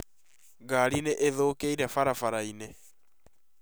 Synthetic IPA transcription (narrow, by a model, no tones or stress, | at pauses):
ɡaɾineʔeðokeiɾɛfaɾafaɾaine